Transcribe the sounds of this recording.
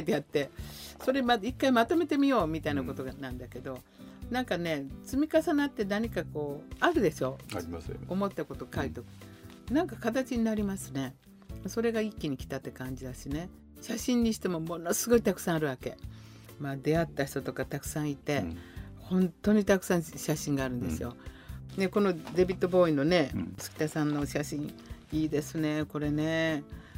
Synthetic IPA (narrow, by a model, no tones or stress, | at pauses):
d̪eat̪ːe̞so̞ɾe̞maikːaimat̪o̞me̞t̪e̞mʲijo̞ːmʲit̪ainako̞t̪o̞ɡnãnd̪ake̞d̪o̞ | nãŋkane̞t͡sɨmʲikasanat̪ːe̞naɲ̟ikako̞ːaɾɯ̟d̪e̞ɕo̞ | omo̞t̪ːako̞t̪o̞kait̪okɯ̥ | nãŋkakat̪at͡ɕiɲ̟inaɾʲimasɨne̞ | so̞ɾe̞ɡaikʲːiɲ̟ikʲi̥t̪at̪ːe̞kãɲ̟d͡ʑid̪aɕine̞ | ɕaɕĩɲ̟ːiɕi̥t̪e̞mo̞mo̞no̞sɨɡo̞it̪akɯ̥sãaɾɯ̟βake̞̰ | mad̪e̞at̪ːaçi̥t̪o̞t̪o̞kat̪akɯ̟̥sãɰ̃it̪e̞hõ̞nt̪ːo̞ɲ̟it̪akɯ̟̥sãɰ̃ɕaɕĩŋɡaːɾɯ̟nd̪esɨjo̞ne̞ko̞no̞d̪e̞bʲit̪ːo̞bo̞ːĩnːo̞ne̞t͡sɨ̥kʲi̥t̪asãnːo̞ɕaɕĩɰ̃iːd̪e̞sɨne̞ko̞ɾe̞ne̞